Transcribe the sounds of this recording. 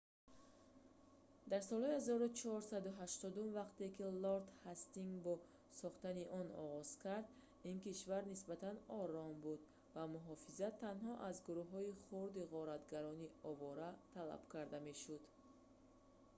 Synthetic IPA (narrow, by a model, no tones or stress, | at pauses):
d̪aɾsɔlˠhɔihazɔɾut͡ʃʰɔɔɾsad̪uɦaʃt̪ɔd̪umvaqt̪ekiloɾt̪hast̪iŋɡbɔ | sɔχt̪aniʔɔnɔ̰ʁɔz̥kʰaɾd̪ | inkiʃvaɾnisbat̪ʰanɔɾɔmbud̪ | vamuɦɔfizat̪ʰːanɦɔʔazɡuɾuhɦɔiχuɾd̪iʁɔɾat̪ɡaɾɔniɔvɔɾat̪ʰala̰b̥kʰaɾd̪ame̞ʃud̪